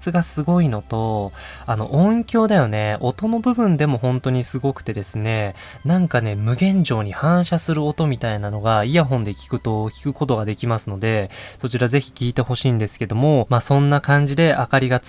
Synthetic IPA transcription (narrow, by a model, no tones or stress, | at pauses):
t͡sɨɡasɨɡo̞ino̞t̪o̞ | ano̞̰ʔõŋkʲo̞ːd̪ajo̞ne̞o̞t̪o̞no̞bɯ̟bɯ̟̃nd̪e̞mo̞ɦõ̞nt̪o̞ɲ̟isɨɡo̞kɯ̟̥t̪e̞d̪e̞sɨne̞ | nãŋkane̞mɯ̟ɡẽ̞ɲ̟d͡ʑo̞ːɲ̟ihãɰ̃ɕasɨɾɯ̟ot̪o̞mʲit̪ainano̞ɡaijaɦõ̞nd̪e̞kʲi̥kɯ̟t̪o̞kʲi̥kɯ̟ko̞t̪o̞ɡad̪e̞kʲimasɨno̞d̪e̞so̞t͡ɕiɾaze̞çi̥kʲiːt̪e̞ho̞ɕiːnd̪e̞sɨ̥ke̞d̪o̞mo̞maːsõ̞nːakãɲ̟d͡ʑid̪e̞ʔakaɾʲiɡat͡s